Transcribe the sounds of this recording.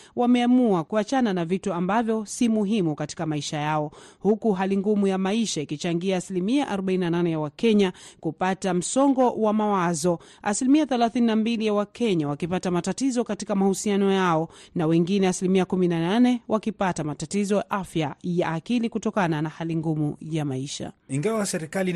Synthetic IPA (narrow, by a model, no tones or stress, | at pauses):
wamɛamuakuat͡ʃananavituambavjɔsimuɦimukati̥kamaiʃajaɔhukuɦaliŋɡumujamaiʃaikit͡ʃaŋɡiaːsilimiaʔaɾɔɓaininananɛjawakɛɲakupatam̩sɔŋɡɔwamawazɔ | asilimiaθɛlaθininambilijawakɛɲawakipatamatatizɔkatikamahusianɔjaɔnawɛŋɡinɛasilimiakuminananɛwʔakipatamatatizɔjaʔafjajaːkilikutɔkananahaliŋɡumujamaiʃa̰iŋɡawasɛɾikali